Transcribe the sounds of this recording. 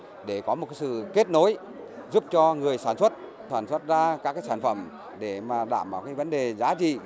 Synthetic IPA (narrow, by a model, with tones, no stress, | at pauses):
ɗe˧˩kɔ˨˦mo˨˩t̚ka˨˦sɨ̰˧˨ke˦˥t̚no˨˦j | zu˦˥p̚t͡ɕɔ˧ŋɨ˨˩əjsaː˧˩nswə˦˥t̚t̪ʰaː˧˩nswə˦˥t̚zaː˧kaː˦˥kːaː˦jsaː˧˩nfə˧˩m | ɗe˧˩maː˨˩ɗa̰ː˧˩mɓaː˨˩kaː˨˦jvə˨˦nɗe˨˩zaː˨˦t͡ɕḭ˧˨